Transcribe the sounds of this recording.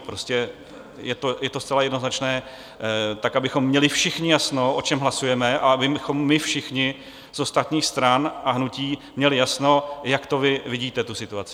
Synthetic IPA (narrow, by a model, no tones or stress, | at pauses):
pɾo̞scɛ | jɛt̪ojɛt̪o̞st͡sɛlajɛdnoznat͡ʃnɛː | t̪akʔabɪxo̞mːɲɛlɪfʃɪxɲɪjasnoʔo̞t͡ʃɛmɦlasujɛmɛʔaabɪxo̞mːɪfʃɪxɲɪ | zʔo̞st̪at̪ɲiːxst̪ɾanʔaɦnuciːmɲɛlɪjasno̞jakt̪o̞vɪvɪɟiːt̪ɛt̪usɪt̪uat͡sɪ